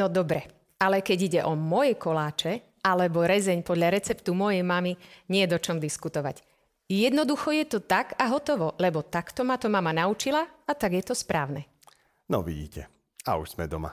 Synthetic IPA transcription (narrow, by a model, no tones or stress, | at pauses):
nɔd̪ɔbɾɛ | alɛkɛɟiɟɛʔɔmɔjɛkɔlaːt͡ʃɛ | alɛbɔɾɛzɛɲpɔd̪ʎaɾɛt͡sɛpt̪umɔjɛjmamiɲɪɛjɛd̪ɔt͡ʃɔmd̪iskut̪ɔʋa̰ɟ | jɛd̪nɔd̪uxɔjɛt̪ɔt̪aɡaɦɔt̪ɔʋɔlɛbɔt̪akt̪ɔmat̪ɔmamanaut͡ʃilaat̪aɡjɛt̪ɔspɾaːʊnɛ | nɔ̰ʋḭɟḭːcʰɛ̰ | a̰ṵʒz̥mɛd̪ɔma̰